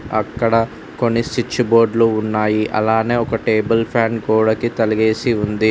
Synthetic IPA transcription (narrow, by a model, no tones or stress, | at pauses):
ɐkːɐɽɐ | ko̞nːisit͡ʃːubo̞ːɾɖluːnːaːjiʔɐ̰laːne̞ːɔkɐʈeːbɐlpʰaːnɡoːɽɐkit̪ɐliɡe̞ːsiund̪i